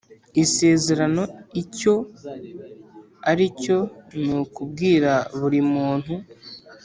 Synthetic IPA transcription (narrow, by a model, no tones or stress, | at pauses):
ise̞ːze̞ɾano̞ico̞ | aɾico̞nukub̚ɡiːɾaβuɾimuːn̥hu